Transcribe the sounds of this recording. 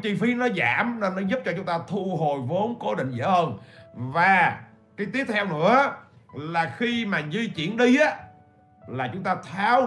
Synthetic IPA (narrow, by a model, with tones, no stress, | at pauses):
t͡ɕi˧fi˨˧˦nɔ˨˦zaː˧˩mne˧nːɔ˨˦zu˦˥p̚t͡ɕɔ˧t͡ɕʊ˨˦ŋ͡mt̪aː˧t̪ʰu˧ɦo˨˩jvo˨˦nko˨˦ɗḭ̈˧˨ŋ̟zə̰ː˧˨˧hə˧˩nvaː˨˩ | kaː˨˦jt̪i˦˥ət̚t̪ʰɛ˧wnɨ̰˧˥ə | laː˨˩xi˧maː˨˩zi˧t͡ɕḭ˧˩˨ənɗi˧ʔaː˨˦ | laː˨˩t͡ɕʊ˨˦ŋ͡mt̪aː˧t̪ʰaː˨˦w